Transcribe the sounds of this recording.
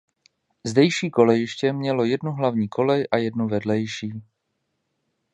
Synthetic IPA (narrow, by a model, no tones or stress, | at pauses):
zdɛjʃiːko̞lɛjɪʃcɛmɲɛlo̞jɛdnuɦlavɲiːkʰo̞lɛjʔajɛdnuvɛdlɛjʃiː